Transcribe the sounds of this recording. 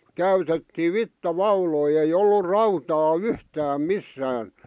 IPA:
kæytetːiː ʋitːɑʋɑuloi ei olːur rɑutɑː yhtæːm misːæːn

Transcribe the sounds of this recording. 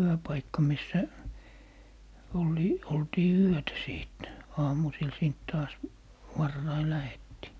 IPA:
yøpɑikːɑ misːæ olˑi oltiː yøtæ siˑt ɑːmusil siːnt tɑːs ʋɑrːɑi læhetːiː

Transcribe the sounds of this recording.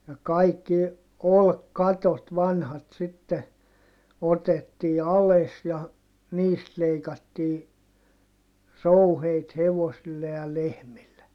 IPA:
jɑ kɑikːi olkːɑtot ʋɑnhɑt sitːe otetːiː ɑles jɑ niːst leikɑtːiː rouheit heʋosilːe jɑ lehmilːe

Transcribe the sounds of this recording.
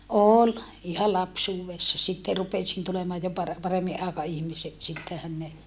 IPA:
oˑl ihɑ lɑpsuːwesːɑ sitːe rupesin tulemɑːj jo pɑre pɑremːiʔ ʔɑekɑihmisek sitːehæn ne

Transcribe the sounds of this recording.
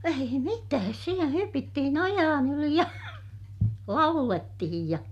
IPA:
ei mitæːs sielæ hypitːihin ojɑːn yli jɑ lɑuletːihij jɑ

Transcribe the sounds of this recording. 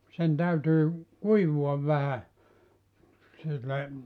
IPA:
sen tæytyː kuiʋuɑʋ ʋæhæ silːe

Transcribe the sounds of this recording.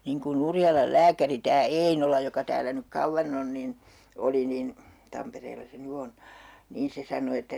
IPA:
niːŋ kunˑ urjɑlɑl læːkæri tæː einolɑ jokɑ tæːlæ nyk kɑuʋːɑn on nin oli nin tɑmpereːlːɑ se ny on niːn se sɑno etːæ

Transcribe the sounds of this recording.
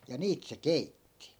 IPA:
jɑ niːt se keitːi

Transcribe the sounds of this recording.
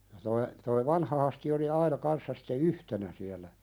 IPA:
jɑ toi toi ʋɑnhɑ hɑsti oli ɑinɑ kɑnsːɑ si̥tːe yhtenæ siælˑæ

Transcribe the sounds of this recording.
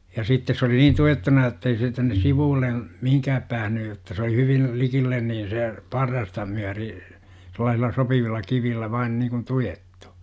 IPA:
jɑ sitːes sĕ oli niːn tuetːunɑ jotːei seː tænːes siʋuːlːen̞ mihiŋkæːp pæːhny jotːɑ se oli hyʋin likilːen niːn̞ se pɑrːɑstɑ myæri selˑɑːsilːɑ sopiʋilːɑ kiʋilːæ ʋɑin niːkun tujetːu̥

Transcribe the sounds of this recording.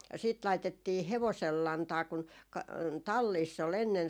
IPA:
sit lɑitetːiː heʋosel lɑntɑː kun kɑ tɑlːiːsː ol enːen

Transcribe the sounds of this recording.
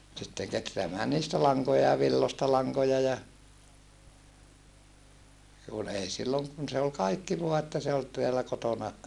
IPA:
sitːeŋ ketreæmæː niːstæ lɑŋkojɑ jɑ ʋilːostɑ lɑŋkojɑ jɑ kun ei silːoŋ kun se ol kɑikːi ʋoɑ etːæ se ol teælæ kotonɑ

